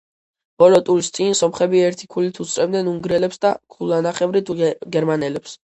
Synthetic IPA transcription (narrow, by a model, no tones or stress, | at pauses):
b̥ɔlɔt̪ʼuɾist̪sʼinsɔmχɛbiɛɾt̪ʰi̥kʰulit̪ʰut̪sʰɾɛbnɛnuŋɡɾɛlɛpsd̪akʰulanaχɛvɾit̪ʰuɡɛɾmanɛlɛps